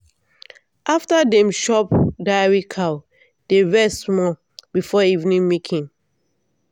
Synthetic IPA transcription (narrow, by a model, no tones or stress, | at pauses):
ʔaftadɛ̃mʃɔpdaɪɹikʰa | d̥eɹɛsmɔ | b̥ifɔivnĩŋmikʰĩŋ